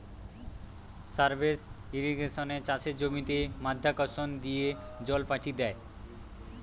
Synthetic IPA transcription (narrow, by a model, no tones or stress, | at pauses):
saɾbesiɾiɡeʃonet͡ɕat͡ɕeɾd͡ʑomit̪emad̪ʱːakɔsond̪ijed͡ʑɔlfaʈʰid̪ɛe